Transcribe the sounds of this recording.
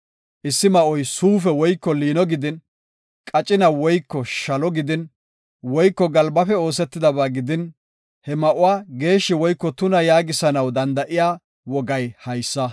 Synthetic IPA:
ʔɪsːɪmɐʔɔjsuːfɛwɔjkːɔliːnɔɡɪd̪ɪn | kʼɐt͡ʃʼɪnɐwɔjkːɔʃɐlɔɡɪd̪ɪn | wɔjkːɔɡɐlbɐfɛo̞ːsɛt̪ːɪd̪ɐbaːɡɪd̪ɪn | hɛmɐʔʊwaːɡe̞ːʃːɪwɔjkːɔt̪ʊnɐjaːɡɪsɐnɐwd̪ɐnd̪ɐʔɪjaː | wɔɡɐjhɐjsːɐ

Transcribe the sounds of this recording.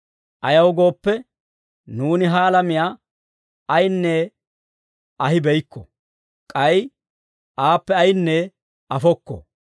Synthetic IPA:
ʔɐjɐwɡo̞ːpːɛ | nuːnɪɦaːlɐmɪjaː | ɐjnːɛ | ɐɦɪbɛjkːɔ̰ | kʼɐj | ʔaːpːɛɐjɪnːɛ | ɐfɔkːɔ̰

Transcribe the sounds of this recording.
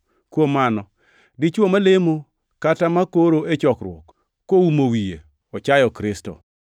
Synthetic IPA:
kwomanɔ | dɪt͡ʃwomalemo | katamakoɾoet͡ʃɔkɾw̰ɔ̰kː | oumowijḛ | ɔt͡ʃajɔkɾɪstɔ̰

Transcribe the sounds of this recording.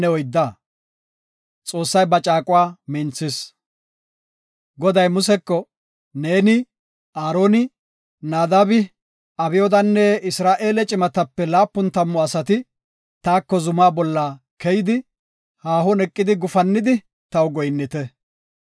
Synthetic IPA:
ɛɔjd̪ːa | t͡sʼo̞ːsːɐjbɐt͡ʃʼaːkʼʊwaːmɪnt͡sːɪs | ɡɔd̪ɐjmʊsɛkːɔ | ne̞ːnɪ | aːɾo̞ːnɪ | naːd̪ɐbɪ | ɐbɪjɔd̪ɐnːɛɪsɾaːʔe̞ːlɛt͡ʃʼɪmɐt̪ɐpːɛlaːpːʊnt̪ɐmːɔɐsɐt̪ɪ | t̪aːkːɔzʊmaːbɔlːa | kɛjɪd̪ɪ | haːɦɔnɛkʼːɪd̪ɪɡʊfɐnːɪd̪ɪ | t̪ɐwɡɔjnːɪt̪ɛ

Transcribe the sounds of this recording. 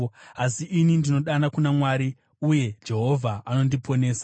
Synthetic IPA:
asiʔinindino̞ɗanakunamwaːɾi | uje̞d͡ʒe̞ɦo̞vʱaano̞ndipo̞ne̞ːsa

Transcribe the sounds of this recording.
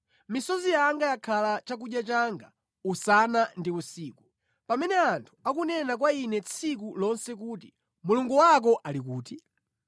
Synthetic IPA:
misɔzijaŋɡajakʰalat͡ʃak̬uɗjat͡ʃaŋɡa | usanandiusiːku | pamɛnɛantʰu̥akunɛnakwainɛt͡sʰik̬ulɔnsɛkuːti | muluŋɡuwak̬ɔʔalik̬uːti

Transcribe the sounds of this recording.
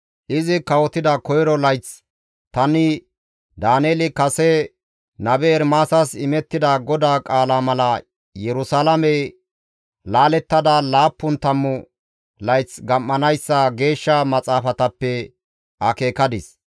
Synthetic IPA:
ʔɪzɪkɐwɔt̪ɪd̪ɐkɔjɾɔlɐjt͡s | t̪ɐnɪ | d̪aːneːlɪkɐsɛ | nɐbɛːɾmaːsɐsɪmɛt̪ːɪd̪ɐɡɔd̪aːkʼaːlaːmɐlɐ | jɛɾʊsaːlɐmɛ | laːlɛt̪ːɐd̪alaːpːʊnt̪ɐmːʊ | lɐjt͡sɡɐmːɐnɐjsːɐɡe̞ːʃːɐmɐt͡sʼaːfɐt̪ɐpːɛ | ɐke̞ːkɐd̪ɪs

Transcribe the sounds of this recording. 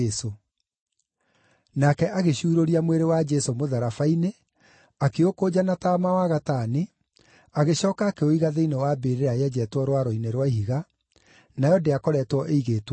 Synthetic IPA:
so | nakɛʔaɣeɕuːɾoɾiamweɾewad͡ʒɛsomoðaɾafaine | akeokoːd͡ʑanataːmawaɣataːni | aɣeɕɔːkaːkɛoiɣaðeinewaːbeɾeɾajɛd͡ʑɛːtwɔɾwaɾoineɾwahiɣa | najɔdeakɔɾɛːtwɔʔeiɣetwɔ

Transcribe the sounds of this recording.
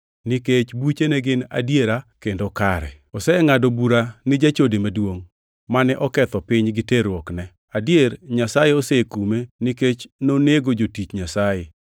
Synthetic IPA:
nɪket͡ʃbut͡ʃenɛɡɪna̰djeɾakendokaɾɛ̰ | ɔsɛŋadobuɾanɪd͡ʒat͡ʃodemadwoŋ | manɛʔɔkɛt̪ɔpɪɲɡɪteɾwɔknɛ | adjeɾɲasajeosekumenɪket͡ʃnoneɡod͡ʒotit͡ʃɲasaje

